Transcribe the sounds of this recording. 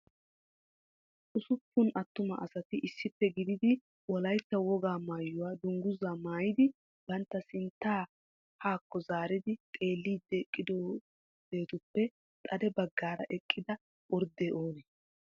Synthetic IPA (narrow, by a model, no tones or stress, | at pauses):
ʔʊsʊpːʊnʔɐt̪ːʊmɐʔɐsɐt̪ɪʔɪsːɪpːɛɡɪd̪ɪd̪ɪ | wɔlɐjt̪ːɐwɔɡaːmaːjːʊwaːd̪ʊŋɡʊzaːmaːjɪd̪ɪ | b̥ɐnt̪ːɐsɪnt̪ːaː | haːkːɔzaːɾɪd̪ɪt̪ʼe̞ːlːiːd̪ːɛkʼːɪd̪oː | b̥e̞ːt̪ʊpːɛ | t̪ʼɐd̪ɛbɐɡːaːɾɐ̰ʔɛkʼːɪd̪ɐ | ʔɔɾd̪eːʔoːnɛ